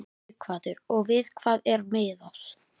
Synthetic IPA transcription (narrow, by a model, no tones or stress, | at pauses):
kʰvaːt̪ʏɾɔɣvɪð̥kʰvaːðɛɾmeːðas